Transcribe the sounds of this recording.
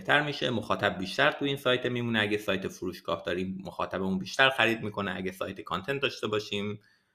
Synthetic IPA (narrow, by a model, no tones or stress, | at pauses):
eht̪ʰæɾmiːʃe̞moxɒːt̪ʰæb̚biːʃt̪æɾt̪ʰuiːnsɒːjt̪ʰemiːmuːneæɟesɒːjt̪ʰefuɾuːʃɡ̥ɒ̰ːhd̪ɒːɾiːmːoxɒ̰ːt̪ʰæbeunbiːʃt̪æɾxæɾiːd̪̚miːkʰo̞neʔæɡesɒ̰ːjt̪ʰekʰɒnt̪ʰend̪ɒːʃt̪e̞bɒːʃiːm